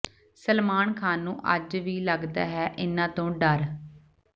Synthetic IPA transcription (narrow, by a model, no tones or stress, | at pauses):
səlmaːnkʰaːnːṵ̃ːʔəd͡ʒʋiːləɡd̪a̰ːɦɛːʔɪnãːt̪õːɖəɾ